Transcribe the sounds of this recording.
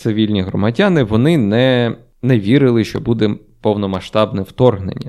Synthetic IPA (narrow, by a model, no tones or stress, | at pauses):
t̪sɪʋʲilʲnʲiɦrɔmɐdʲanɪʋɔnɪnɛ | nɛʋʲiɾɪlˠɪʃt͡ʃɔbud̪ɛ | pɔwnɔmɐʃt̪ɑbnɛwt̪ɔrɦnḛnʲːɐ